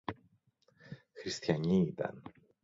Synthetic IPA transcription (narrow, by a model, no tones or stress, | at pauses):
xɾist̪çɐɲiit̪ɐ̰n